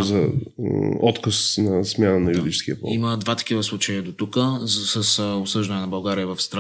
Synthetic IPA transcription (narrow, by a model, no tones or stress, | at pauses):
zɐ | ɔt̪kəsnɐsmʲjanənɐjud̪it͡ʃskiɐpɔ̰iməd̪vat̪ɐ̥kivəslˠut͡ʃejəd̪ot̪ukəsəsopsɤʒd̪ɐnɛnɐbɐlˠɡaɾiəvɐfst̪ɾ